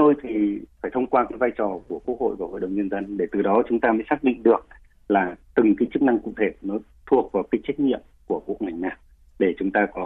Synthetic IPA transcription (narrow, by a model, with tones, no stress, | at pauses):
t̪o˧jt̪ʰi˨˩faː˧˩jt̪ʰə˧wŋ͡mkwaː˧kaː˨˦jvaː˧jt͡ɕɔ˨˩ku˧˩əku˦˥ək̚ho̰˧˨jva˧˩ho̰˧˨jɗə̰˧˩wŋ͡mɲə˧nzə˧nɗe˧˩t̪ɨ˨˩ɗɔ˨˦t͡ɕʊ˨˦ŋ͡mt̪aː˧məː˨˦jsaː˦˥k̚ɗḭ˧˨ŋ̟ɗɨ˨˩ək̚ | laː˨˩t̪ɨ˨˩ŋkaː˨˦jt͡ɕɨ˦˥k̚na˧ŋkʊ̰˧˨ŋ͡mt̪ʰe˧˩nɔ˨˦ | t̪ʰu˨˩ək̚vaː˨˩wkaː˨˦t͡ɕa˦˥k̚ŋḭ˧˨əmku˧˩əku˧˩ək̚ŋa˨˩ŋ̟ɲaː˨˩ | ɗe˧˩t͡ɕʊ˨˦ŋ͡mt̪aː˧kɔ˨˦